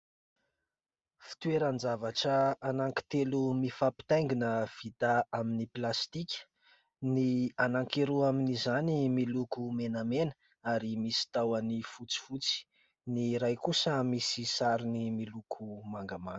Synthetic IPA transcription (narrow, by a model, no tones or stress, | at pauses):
fi̥t̪ueɾand͡zavaʈ͡ʂəanaŋki̥t̪elumifapi̥t̪ajŋɡinəv̥it̪aaminiplast̪ikʲə̥ | nianaŋkeɾuaminizanimilukumenamenə̥ | aɾimisi̥t̪awanifut͡si̥fut͡si̥ | niɾajkusəmisisaɾinimilukʰumaŋɡamaŋ